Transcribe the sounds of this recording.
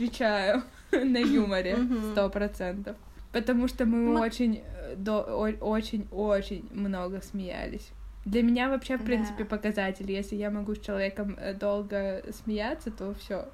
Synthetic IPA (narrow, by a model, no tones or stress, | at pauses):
ɐt̪vʲɪt͡ɕæjʊ | nɐjuməɾʲɪst̪opɾɐt̪sɛnt̪əf | pət̪ɐmuʂt̪omɨo̞t͡ɕɪnʲd̪ooot͡ɕɪnʲot͡ɕɪnʲmno̞ɡəsmʲɪjæ̰lʲɪ̰sʲd̪lʲɐmʲɪnʲavɐpɕe̞fpɾʲint̪sɨ̥pʲɪpəkɐzatʲɪlʲjesʲlʲɪjamɐɡusʲt͡ɕɪlˠɐvʲekəmə̰d̪o̞lˠɡəsmʲɪjat̪sːət̪o̞fsʲo